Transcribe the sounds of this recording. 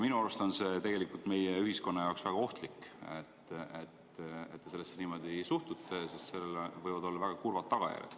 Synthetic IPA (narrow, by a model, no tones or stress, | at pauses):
minuɑlust̪ɑnse̞t̪e̞ɡ̥e̞likult̪me̞jeyɦisko̞nːɑjɑoksvæɡ̥ɑo̞ht̪liket̪ːet̪ː | ḛt̪ːe̞se̞lːesːeniːmo̞d̪isuht̪ut̪ːesist̪se̞lːelevɤjvɑd̪o̞lːɑvæɡ̥ɑkurvɑt̪ːɑɡ̥ɑ̰jæ̰rʲjɑ̰d̪̥